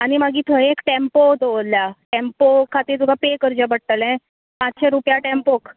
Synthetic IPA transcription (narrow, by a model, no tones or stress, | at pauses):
añimaɡiːt̪ʰəeekʈẽmpod̪oʋoljaʈempokʰat̪iːɾt̪ukapekəɾd͡ʑabəɽ̚t̪əlɛ̃ | pat͡sɕeɾupjaʈẽmpok